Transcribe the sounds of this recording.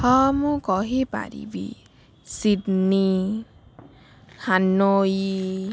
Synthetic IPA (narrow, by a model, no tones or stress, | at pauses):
hɔmũkɔɦipa̰ɾḭbḭ | sidni | hʰanːoji